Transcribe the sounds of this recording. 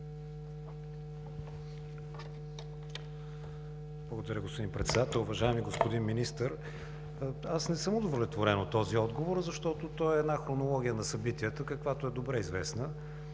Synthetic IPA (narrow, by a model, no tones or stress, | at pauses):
blˠɡod̪əɾʲəɡospod̪inpɾɛt̪sɛd̪at̪ɛlˠʊvɐʒaɛmiɡospod̪inminist̪əɾ | asnɛsəmod̪ovolɛt̪voɾɛnot̪ːɔziɔd̪ɡovoɾzɐʃt̪ɔt̪ot̪ɔɛːd̪naxɾonolˠɔɡʲijənɐsɐbit̪iət̪əkəkvat̪oɛd̪obɾɛizvɛsnə